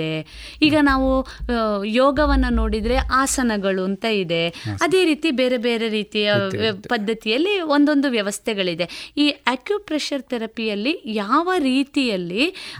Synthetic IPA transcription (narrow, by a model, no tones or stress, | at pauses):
e | iːɡɐnaːʋu | joːɡɐʋɐnːɐno̞ːɽid̪ɾe̞ʔaːsɐnɐɡɐɭunt̪ɐid̪e̞ɐd̪e̞ːɾiːt̪ibe̞ːɾe̞be̞ːɾe̞ɾiːt̪ijɐpɐd̪ʱːɐt̪ijɐlːio̞nd̪o̞nd̪uʋjɐʋɐst̪ʰɛɡɐɭid̪e̞iːaːkjupɾeʂɐɾt̪ɛɾɐpijɐlːijaːʋɐɾiːt̪ijɐlːi